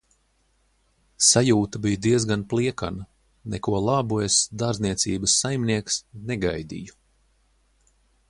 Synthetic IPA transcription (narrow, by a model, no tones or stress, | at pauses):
sajuːt̪abijd̪iɛzɡanplˠiɛka̰nɐ | nɛkuɔlˠabuesd̪aɾzniɛt̪sʲiːbəsːajmniɛksnɛɡajd̪ʲḭju